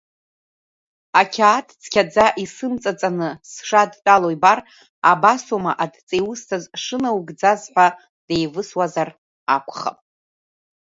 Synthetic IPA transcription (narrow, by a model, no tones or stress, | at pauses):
akʲʰaːtʰʼt͡sʰkʲʰad͡zaʔisɨmt͡sʼat͡sʼanɨsʂadt͡pʼalojbar | abasomaʔadt͡sʼejwʊstʰazʂɨnawɡd͡zazħʷa | d̥ejvɨswazar | akʷʰχa̰pʼ